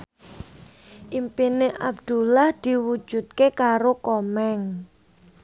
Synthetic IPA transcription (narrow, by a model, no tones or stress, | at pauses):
ʔimpineʔa̰bd̪̥ṳlahd̪̥i̤wud̥ʒ̥ṳt̪̚kekaɾokɔmɛŋ